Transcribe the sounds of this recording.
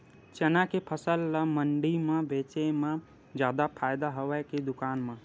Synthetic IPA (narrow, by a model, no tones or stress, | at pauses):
t͡ʃenakepʰəsəlːəməɳɖimẽbeːt͡ʃemẽ | d͡ʒjaːd̪apʰaːjd̪aɦoʋɛked̪ʊkaːnmẽ